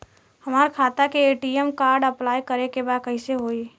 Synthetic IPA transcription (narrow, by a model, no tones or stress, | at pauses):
hɐmaːɾkʰaːt̪akeeːʈiemkaːɾɖɐplaːjkəɾekebaːd̪̚kɐɪseɦoːi